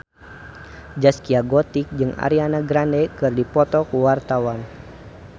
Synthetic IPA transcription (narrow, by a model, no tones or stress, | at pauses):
d͡ʒaskiaɡɔt̪ik̚d͡ʒɨŋa̰ɾianaɡɾandɛkɨrdipɔt̪ɔkuwart̪awan